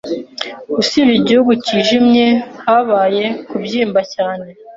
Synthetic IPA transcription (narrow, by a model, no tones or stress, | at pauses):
usiβiɟihuɡuciʒimɲe̞haβaːje̞kubɟiːmbacaːne̞